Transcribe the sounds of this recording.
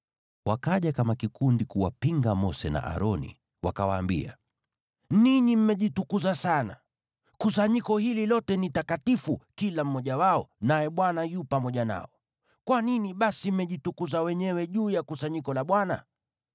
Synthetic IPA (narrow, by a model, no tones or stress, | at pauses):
wakaʄakamakikundikuwapiŋɡamɔsɛna̰ʔa̰ɾɔnḭ | wakawaːmbḭa | niɲim̩mɛʄitukuzasana | kusaɲikɔhililɔtɛnitakatifukilam̩mɔʄawaɔnajɛɓwanajupamɔʄana̰ɔ | kwaniniɓasim̩mɛʄitukuzawɛɲɛwɛʄuːjakusaɲikɔlaɓwana̰